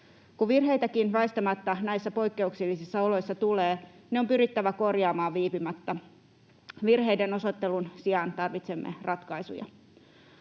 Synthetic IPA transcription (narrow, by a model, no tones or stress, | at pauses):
kuʋirɦe̞jt̪ækinʋæist̪ɑmɑt̪ːɑnæjsːæpo̞jkːe̞uksilːisisːɑolo̞jsːɑt̪uleː | neo̞mpyɾit̪ːæʋæko̞rjɑːmɑːʋʋiːpimɑt̪ːɑ | ʋirɦe̞jdeno̞so̞t̪ːe̞lunsiɑnt̪ɑrʋit̪se̞mːḛrɑt̪kɑisṵjɑ̰